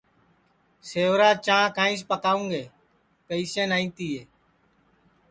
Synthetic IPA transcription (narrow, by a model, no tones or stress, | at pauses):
seːʋɾaːt͡ʃãːkãːĩːs̬pəkaːũːŋɡeː | pəiːsẽːnaːĩːt̪iːeː